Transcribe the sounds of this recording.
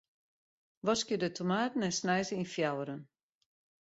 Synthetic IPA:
ʋɔskjədətʰomaːtn̩ɛnsnɛjzəinfjawəɾən

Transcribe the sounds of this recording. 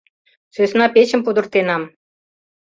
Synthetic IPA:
søsnɑpet͡ɕə̆mpud̪ə̆rt̪enɑm

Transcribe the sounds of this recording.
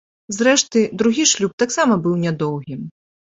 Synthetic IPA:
zɾɛʂt̪ɨd̪ɾuɣʲiʂlʲup̚t̪aksamɐbɨwnʲad̪ɔwɣʲim

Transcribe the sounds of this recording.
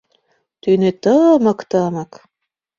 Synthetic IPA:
t̪ynet̪əmɤ̆kt̪ɤmɤk

